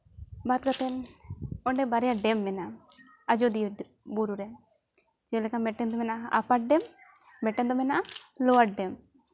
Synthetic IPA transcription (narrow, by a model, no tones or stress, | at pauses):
bat̪̚kət̪ɛnɔɳɖɛbaɾɛjaɖɛmːɛna | ad͡ʒod̪ij | buɾuɾɛ | d͡ʒɛlɛkamɛʈɛnd̪ɔmɛnaa̰paʈ̚ɖɛmː | ɛʈɛnd̪ɔmɛnalɔaʈ̚ɖɛm